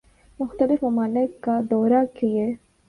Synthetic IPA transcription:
mʊxt̪əlɪfmɐmaːnekad̪ɔːɾakie

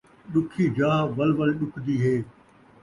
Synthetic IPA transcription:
ɗʊkʰid͡ʑaːʋɐlʋəlɗʊkʰd̪iːɦeː

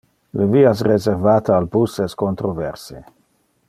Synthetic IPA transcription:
ləviːas̬rezeʁvaːt̪aaːlbusɛskont̪ɾovɛrse

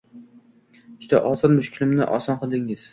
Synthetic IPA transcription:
d͡ʒʊd̪a̰ʔɒzɒnmʊʃkʲʰɪlɪmnɪ̰ʔɒ̰sɒnqʰɨlˠd̪ɪŋɪz̥

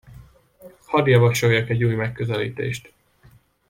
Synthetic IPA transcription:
hɒd̪ijɒvɒt͡ʃo̞jːɒkɛɟːuːjmɛkːøzɛlḭːt̪ḛːʃt̪

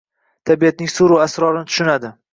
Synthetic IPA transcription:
t̪ʰabiat̪nisuɾuasɾɒɾnt̪ʰʊʃʊnad̪ɪ

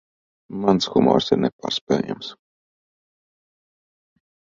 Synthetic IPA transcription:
mansxumɔ̰ɾsiɾnɛpa̰ːɾspʲɛja̰ms

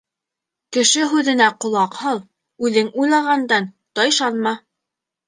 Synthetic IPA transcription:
kɘ̆ʃɘɦʉðɘ̆næqŏlˠɑqhɤlˠ | ʉðɘŋujlˠɑʁɑnd̪ɑn | t̪ɑjʃɑnmɑ

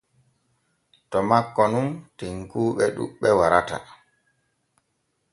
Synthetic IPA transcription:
tɔmakːɔnumtiŋkuːɓɛɗṵɓːɛwaɾata̰

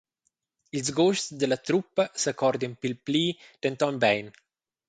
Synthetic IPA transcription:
ilzɡoʃsd̪əlat̪ɾupːasakʰɔɾd̪inpilpliːd̥ɛnt̪ɔnbɛjn

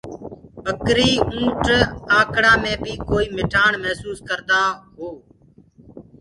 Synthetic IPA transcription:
əkɾiːũːʈaːkɽaːmẽːbiːkoːiːmɪʈʰaːɳmɛːsuːskəɾd̪aːɦoː

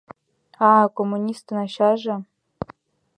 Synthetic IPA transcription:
ɑkomːunʲist̪ɤ̆nɑɕɑʐɤ̆

